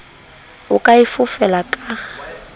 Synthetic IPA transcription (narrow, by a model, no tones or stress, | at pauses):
ʊkʼaifʊfɛlakʼa